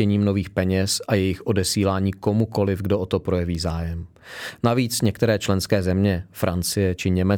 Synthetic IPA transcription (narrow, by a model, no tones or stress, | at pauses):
ɛɲiːmnoviːxpɛɲɛsʔajɛjɪxʔo̞dɛsiːlaːɲiːko̞muko̞lɪfɡdoʔot̪o̞pɾo̞jɛviːzaːjɛm | naviːt͡sɲɛkt̪ɛɾɛːt͡ʃlɛnskɛːzɛmɲɛfɾʔant͡sɪjɛt͡ʃɪɲɛmɛ